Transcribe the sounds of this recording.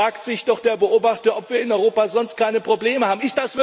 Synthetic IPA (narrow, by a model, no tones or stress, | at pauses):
aːktz̥ɪçd̥ɔχd̥eːɐbəʔoːbaχtɐʔɔpv̥iːɐɪnɔʏʁoːpaːzɔnst̚kʰaɪnəpʁ̥obleːməhaːbm̩ɪstd̥asv̥ɪ